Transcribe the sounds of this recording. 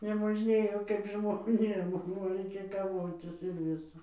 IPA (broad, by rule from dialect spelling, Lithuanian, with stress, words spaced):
nʲɛmoːʒʲˈnʲeːjoː kɐɪp ʒmoːˈnʲeːm oː rɐɪˈkʲeːj kɐˈʋoːtʲɪs ɪr ˈʋʲɪsɐ